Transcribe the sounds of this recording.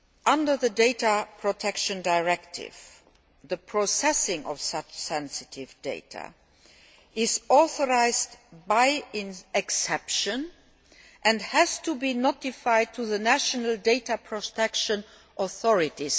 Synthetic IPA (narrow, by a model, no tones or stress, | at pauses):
ʔʌ̃ndə˞ðədeɪtəpʰɹ̥ɔtʰɛkʃə̃ndaɪɹɛktʰɪ̰v̥ | ðəpʰɹosɛsɪ̃ŋʔɔ̰fsʌt͡ʃsɛ̃nsɪtʰɪvdeɪtʰa̰ | ɪzɔθɔɹaɪzdbaɪɪ̃nɛksɛpʃə̃n | ʔæ̃ndhæz̥tʰubinotɪfaɪd̚tʰuðənæʃənəldeɪtapʰɹɔtʰɛkʃə̃n | ʔɔθɔɹɪtis